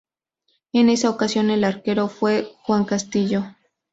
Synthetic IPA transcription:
ene̞saokasjo̞ne̞laɾkeɾofwe̞xwaŋkast̪iʝo

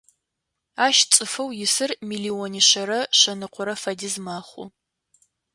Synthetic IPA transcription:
aːʃt͡sʼɨfɐwjɪsɨrmiːliːwɔniɕɐɾɐɕɐnɨqʷʰʊɾɐfɐdizmaːχʷʊ̰

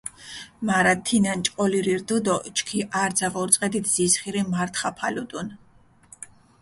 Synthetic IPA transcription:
maɾat̪ʰːinant͡ʃʼqʼɔliɾiɾd̪ud̪ɔt͡ʃkʰiʔaɾd̪zavɔɾt̪sʼqʼɛd̪it̪ʰz̥isχiɾimaɾt̪ʰχapʰalud̪un

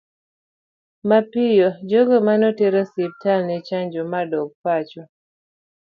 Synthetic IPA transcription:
mapɪjɔd͡ʒoɡɔmanɔteɾɔsip̚tʰalnɛt͡ʃaɲd͡ʒɔmadɔɡ̚pat͡ʃɔ

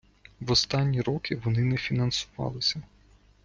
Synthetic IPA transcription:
ʋɔst̪ɑnʲːiɾɔkɪʋɔnɪnɛfʲinɐnsʊʋɑ̰lˠɪsʲɐ

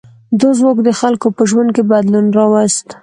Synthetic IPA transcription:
d̪ozmokd̪əxalkopəʒwand̪̚kebad̪lunɾɑwast̪

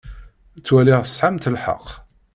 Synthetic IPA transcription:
t͡sːwæliʁə̥sħamt̪əlħə̰q

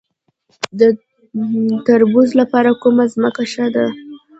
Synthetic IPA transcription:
d̪ə | t̪aɾbuzlapɑɾakumazməkaʃad̪a

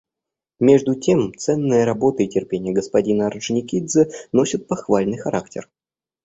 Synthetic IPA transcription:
mʲe̞ʐd̪ʊtʲemt̪sɛnːɨjəɾɐbo̞t̪əɪtʲɪrpʲenʲɪjəɡəspɐdʲinəɐrʐnʲɪkʲid̪zəno̞sʲɪt̪̚pɐxvalʲnɨjxɐɾʔak̚tʲɪ̰r

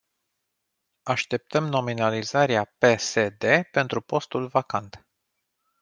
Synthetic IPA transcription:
aʃt̪e̞p̚t̪əmno̞minalizaɾeape̞se̞d̪e̞pe̞nt̪ɾupo̞st̪ulvakant̪

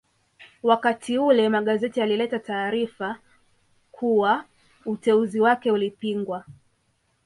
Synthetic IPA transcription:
wakatʰiulɛmaɠazɛtialilɛtataːɾifa | kʰuwa | utɛuziwakɛulipiŋɡwa

